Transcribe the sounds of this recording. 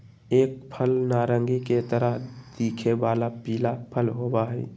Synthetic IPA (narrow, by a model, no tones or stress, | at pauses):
eːk̚pʰəlnaːɾə̃ŋɡiket̪əɾəɦd̪̥iːkʰeʋaːlapiːlapʰəlɦoːbaɦɛ̰